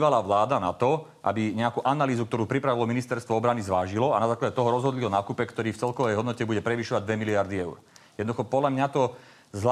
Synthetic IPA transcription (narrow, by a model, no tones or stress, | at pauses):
ʋalaːʋlaːd̪anat̪ɔ | ʔa̰biɲɛakuːʔanaliːzuk̚t̪ɔɾuːpɾipɾaʋilɔminist̪ɛɾst̪ʋɔɔbɾanizʋaːʒilɔanazaːklaɟɛt̪ɔɦɔɾɔzɦɔd̪liɔnaːkuːpɛkt̪ɔɾiːft͡sɛlkɔʋɛjɦɔd̪nɔcɛbuɟɛpɾɛʋiʃɔʋaɟd̪ʋɛmiliaɾd̪iɛʊɾ | jɛd̪nd̪uxɔpɔd̪lʎamɲat̪ɔ | zla